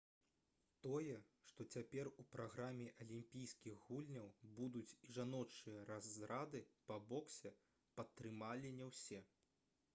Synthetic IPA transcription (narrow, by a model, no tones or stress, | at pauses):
t̪ɔjɛʂt̪ɔt͡sʲapʲɛrupɾaɣɾamʲːɛʔɐlʲimʲpʲijskʲiɣɣulʲnʲɐwbud̪ut͡sʲiʐanɔt͡ʂɨjɐɾazːɾad̪ɨpɐbɔksʲɛ | pɐt̪ːɾɨmalʲinʲɛwsʲɛ